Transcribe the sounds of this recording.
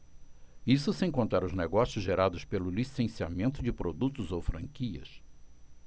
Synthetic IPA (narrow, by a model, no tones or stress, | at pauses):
isʊsẽkõnt̪ɾaɾʊzneɡɔsijʊzʒeɾad̪ʊspelʊlisẽsiamẽnt̪ʊd͡ʒɪpɾod̪ut̪ʊzowfɾɐ̃ŋkiɐ̰s